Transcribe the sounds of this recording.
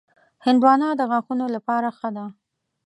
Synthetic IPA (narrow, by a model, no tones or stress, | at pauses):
hɪnd̪wɑnɑd̪əɣaxunolapɑɾaxəd̪a